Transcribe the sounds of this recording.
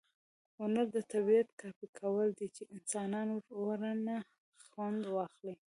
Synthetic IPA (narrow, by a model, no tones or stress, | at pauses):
ʊnaɾd̪ət̪abiat̪kɑfikʰawəld̪it͡ʃeʔɪnsɑnɑnwəɾoɾana | xwand̪wɑxli